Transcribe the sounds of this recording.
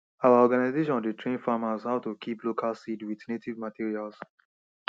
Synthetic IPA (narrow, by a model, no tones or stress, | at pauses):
awaɔɡanazeʃɔ̃nditɹẽnfamashaʊtukʰiplokʰalsidwiθnetivmatʰiɹials